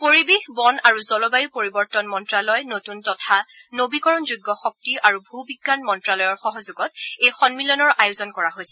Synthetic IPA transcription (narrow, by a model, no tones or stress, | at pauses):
poɹibexbɔnaɹuzɔlɔbajupoɹibɔɹtɔnmɔntɹalɔjnotuntɔtʰanobikɔɹɔnzuɡːɔxɔk̚tiʔaɹubʱubiɡːanmɔntɹalɔjɔɹxɔɦɔzuɡɔtejxɔnmilɔnɔɹajʊzɔnkɔɹaɦojsɛ̥